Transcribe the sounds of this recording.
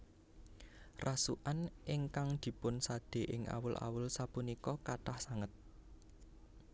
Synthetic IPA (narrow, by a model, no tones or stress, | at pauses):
rʔasṵʔanɪŋkaŋd̪̥i̤pʊnsad̪̥e̤ʔɪŋʔa̰wʊlʔa̰wʊlsapunikɔkaʈahsaŋət̪̚